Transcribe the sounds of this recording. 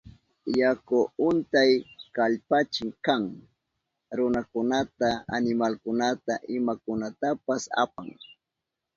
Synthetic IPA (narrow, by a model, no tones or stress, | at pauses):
jakʊʊnt̪ajkaʎpat͡ʃɪŋkaŋ | ɾʊnakʊnat̪aa̰nɪmalkʊnat̪aʔɪmakʊnat̪apasa̰paŋ